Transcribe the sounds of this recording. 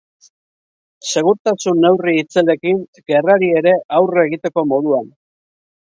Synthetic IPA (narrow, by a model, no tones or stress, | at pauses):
se̞ɣ̞uɾt̪asunːe̞wriːt͡sele̞kiŋ | ɡe̞raɾie̞ɾe̞ʔawre̞ɣit̪e̞ko̞mo̞ðuan